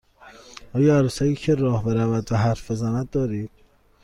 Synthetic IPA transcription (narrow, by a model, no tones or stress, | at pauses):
ɒːjɒːæɾuːsæjiːcʰeɾɒːhbe̞ɾævæd̪væɦæɾfbe̞zænæd̪̚ːɒːɾiːd̪̥̚